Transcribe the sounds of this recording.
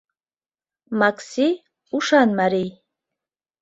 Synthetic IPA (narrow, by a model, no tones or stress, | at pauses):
makʰsi | uʂanmaɾi